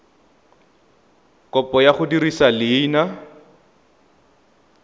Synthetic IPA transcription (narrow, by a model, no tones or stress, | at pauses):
kʼɔpʼɔjaχʊdirisalɪːna